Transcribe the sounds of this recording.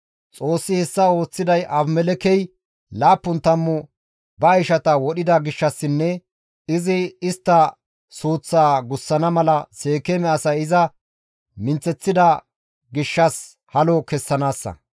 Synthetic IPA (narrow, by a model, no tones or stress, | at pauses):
t͡sʼo̞ːsːɪhɛsːɐo̞ːt͡sːɪd̪ɐjʔɐbmɛlɛkɛj | laːpːʊnt̪ɐmːʊ | bɐɐjʃɐt̪ɐwɔɗɪd̪ɐɡɪʃːɐsːɪnːɛ | ɪzɪɪst̪ːɐ | suːt͡sːaːɡʊsːɐnɐmɐlɐse̞ːkɛmɛɐsɐjɪzɐ | mɪnt͡sɛt͡sːɪd̪ɐ | ɡɪʃːɐs | hɐloːkɛsːɐnaːsːɐ̰